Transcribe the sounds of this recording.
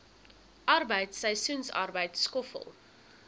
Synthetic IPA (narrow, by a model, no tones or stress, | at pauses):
ʔɐrbəjtsəjsunsɐ̰rbəjtskɔfə̰lˠ